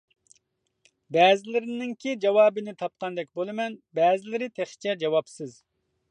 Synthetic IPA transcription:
bɛːzɪlɪɾɪnɪŋkʲid͡ʒɑwɑːbɨnɪt̪ʰɑp̚qʰɑnd̪ɛkʲbolˠɨmɛnbɛːzɪlɪɾɪt̪ʰɛχt͡ʃʰɛd͡ʒɑwɑpsɨz

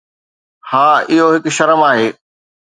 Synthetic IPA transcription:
haːɪɦoɦɪkʃɐɾəmaːɦeː

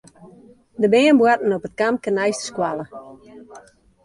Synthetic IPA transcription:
dəbɪənbwatn̩ɔpət̚kam̚kənɛjstə̥skwalə

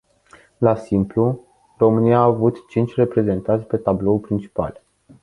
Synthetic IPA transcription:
lasimplu | ro̞mɨniaːvut̪t͡ʃint͡ʃʲre̞pɾe̞ze̞nt̪ant̪sʲpe̞t̪ablo̞upɾint͡ʃi̥pa̰l

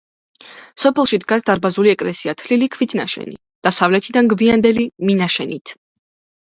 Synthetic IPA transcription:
sɔpʰɛlˠʃid̪ɡasd̪aɾbazuliɛkʼlɛsiat̪ʰlilikʰvit̪ʰnaʃɛ̰nḭ | d̪̥asavlɛt̪ʰid̪anɡviand̪ɛliminaʃɛnit̪ʰ

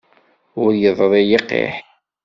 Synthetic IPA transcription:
ʊɾjəðˤɾˤejiqːḛħ

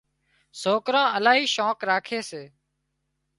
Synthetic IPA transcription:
soːkɾãːəlaːɦiːʃoːkɾaːkʰeːseː

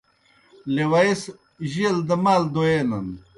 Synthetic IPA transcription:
lewais | ʑild̪əmaːld̪oenɐn

